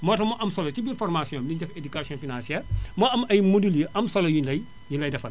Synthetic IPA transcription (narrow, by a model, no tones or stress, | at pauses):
mɔːtɐmɔʔɐmsɔlɐtibinfɔrmasjɔ̃ːmliɲɟɛfedukaːsiɔ̃nfinãnsiɛːrmɔɐmɐjmoduljəʔɐmsɔlɐjulɐj | junlɐjdɐfɐl